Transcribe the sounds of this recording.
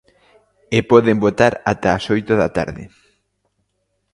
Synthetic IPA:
epɔðembot̪aɾat̪aːsojt̪oðat̪a̰ɾðɪ̰

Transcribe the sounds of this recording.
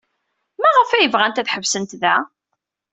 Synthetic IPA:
mæʁəfæjəvʁænt̪æθħəvsənt̪ðæ

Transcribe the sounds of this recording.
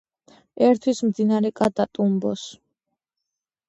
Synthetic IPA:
ɛɾt̪ʰwismd̪inaɾɛkʼat̪ʼat̪ʼumbɔs

